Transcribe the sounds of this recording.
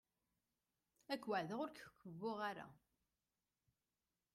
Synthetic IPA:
ækːwaʕðəʁʊɾkkːəvːʊʁaɾa̰

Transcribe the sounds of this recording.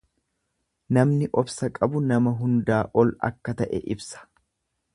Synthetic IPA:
nɐmnɪʔɔbsɐkʼɐbʊnɐmɐɦʊnd̪aːʔɔlɐ̰kːɐt̪ɐʔɛ̰ʔɪbsɐ̥

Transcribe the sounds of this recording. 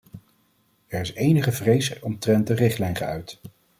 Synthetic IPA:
ɛɹɪsejnəχəvrejsɔmtrɛntdərɪχtlɛjnχə̰œ̰ɥt

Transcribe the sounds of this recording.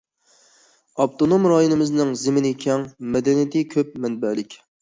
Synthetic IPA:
ɑpt̪onomɾɑjonɨmɪznɪŋzɪmɪnɪkʲʰɛŋmɛd̪ɛnijit̪ʰɪkʲʰøp̚mɛnbɛlɪkʲ

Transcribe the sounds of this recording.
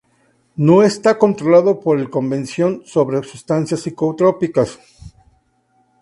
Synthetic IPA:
no̞est̪ako̞nt̪ɾolaðo̞po̞ɾelko̞mbe̞nsjo̞nso̞βɾesust̪ansjasikout̪ɾo̞pikas

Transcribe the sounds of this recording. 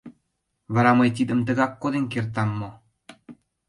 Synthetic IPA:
βə̆ɾɑmɤjt̪̬id̪ə̆mt̪̬ə̆ɣɑkːod̪enkert̪̬ɑmːŏ

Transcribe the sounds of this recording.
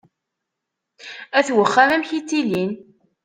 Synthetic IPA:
æθwəχːælæmçit̪ːilin

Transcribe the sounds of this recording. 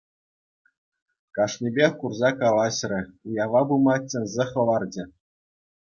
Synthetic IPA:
kɑʂnʲibʲexʲkurzɑkɑlˠɑɕrʲɘ̆ujɑʋɑbumɑt͡ɕʲːɘ̆nʲzʲɘ̆χɤ̆lˠɑrd͡ʑɘ̆

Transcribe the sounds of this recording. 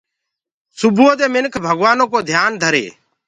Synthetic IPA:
sʊbuõːd̪eːmɪnkʰbʱəɡʋaːnoːkoːd̪ʱjaːnd̪ʱəɾḛː

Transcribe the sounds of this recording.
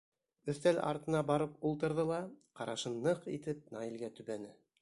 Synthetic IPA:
ɵ̆θt̪ælʔɑ̰ɾt̪ɤ̆nɑbɑɾɤp̚ulˠt̪ɤ̆ɾðɤlˠɑqɑɾɑʃɤnːɤqḭt̪ɘp̚nɑjĭlɡæt̪ɵ̆βænɘ

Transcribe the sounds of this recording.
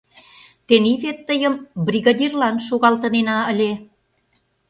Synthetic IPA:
t̪eniβet̪ːəjə̆mbrʲiɣɑd̪ʲirlɑnʃoɣɑlt̪ə̆nenɑəlʲe

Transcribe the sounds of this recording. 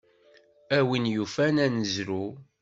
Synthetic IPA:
æwinjufænænəzɾu

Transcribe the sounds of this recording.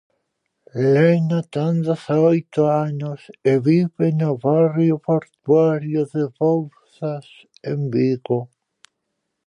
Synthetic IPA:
leenat̪and̪asaojt̪oaɲʊseβiβenoβarjopoɾt̪waɾjoðeβowθas | embiɣo

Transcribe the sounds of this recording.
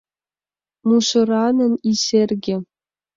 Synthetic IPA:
muʂɤ̆rɑnɤ̆nisʲerʲɡʲe

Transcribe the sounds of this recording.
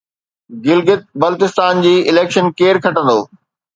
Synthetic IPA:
ɡɪlɡɪt̪̚bɐlt̪ɪst̪aːnd͡ʑiːɪleːkʃənkeːɾkʰɐʈə̃nd̪oː

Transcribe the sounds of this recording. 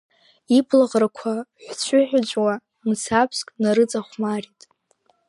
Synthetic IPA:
ipʰlaʁrakʷʰaħʷt͡ɕʷʰʊħʷᶣad͡ʒʷʼwa | msʰapʰskʼnaɾɨt͡sʼaχʷmaritʼ

